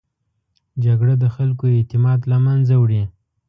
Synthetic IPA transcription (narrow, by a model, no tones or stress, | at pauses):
d͡ʒaɡɽad̪əxalkoet̪ɪmɑd̪lamanzawɽi